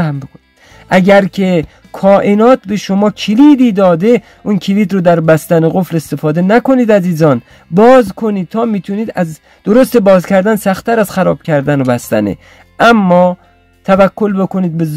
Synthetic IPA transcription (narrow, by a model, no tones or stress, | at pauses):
hæmbekʰonid̥̪ | ʔæɟæɾkʲʰe̞ | kʰɒːʔenɒːt̪beʃomɒːkʰeliːd̪iːd̪ɒːd̪e̞ | unkʰeliːd̪ɾod̪æɾbæst̪æneɣoflest̪e̞fɒːd̪enæko̞niːd̪æziːzɒːn | bɒːzkʰoniːd̪̚t̪ʰɒːmiːt̪ʰuniːd̪æz | d̪̥oɾost̪ebɒːzkʰæɾd̪ænsæxt̪ʰːæɾæz̥xæɾɒːb̥̚cʰʲæɾd̪ænobæst̪æ̰nḛ | ʔæmːɒː | t̪ʰævækʰːolbe̞kʰoniːd̪̚bez